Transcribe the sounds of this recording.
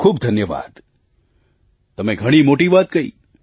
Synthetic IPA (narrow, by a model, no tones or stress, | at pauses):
kʰuːbd̪ʱənjəʋa̰d̪ | t̪əmeɡʱəɽ̃imoʈiʋat̪kəḭ